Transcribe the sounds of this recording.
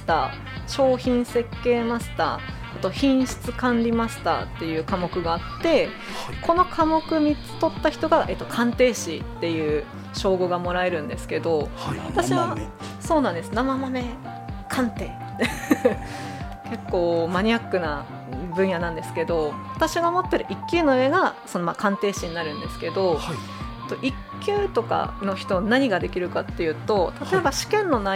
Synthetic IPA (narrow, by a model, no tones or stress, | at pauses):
t̪a | ɕo̞ːçĩɰ̃se̞kːe̞ːmaɕɨ̥t̪a̰ː | t̪o̞çĩɰ̃ɕi̥t͡sɨkãnɾʲimasɨ̥t̪a̰ːt̪ːe̞jɯ̟ːkamo̞kɯ̟ɡaːt̪ːe̞ | kʰo̞no̞kʰamo̞kɯ̟m̟it͡sɨ̥t̪o̞t̪ːaçi̥t̪o̞ɡaʔe̞ːt̪ːo̞kʰãnt̪e̞ːɕit̪ːe̞jɯ̟ː | ɕo̞ːɡo̞ɡamo̞ɾae̞ɾɯ̟̃nd̪e̞sɨ̥ke̞d̪o̞βat̪aɕiβa | so̞ːnãnd̪esɨnamamame̞ | kʰãnt̪e̞ː | ke̞kːo̞ːmaɲ̟iakːɯ̟na | bɯ̟̃ɰ̃janãnd̪e̞sɨ̥ke̞d̪o̞βat̪aɕiɡamo̞t̪ːe̞ɾɯ̟ʔikʲːɨːno̞eɡaso̞no̞makãnt̪e̞ːɕiɲ̟inaɾɯ̟̃nd̪e̞sɨ̥ke̞d̪o̞ | t̪ːo̞ʔikʲːɨːt̪o̞ka̰no̞çi̥t̪o̞naɲ̟iɡad̪e̞kʲiɾɯ̟kat̪ːe̞jɯ̟ːt̪o̞t̪at̪o̞ebaɕi̥kẽ̞nːo̞na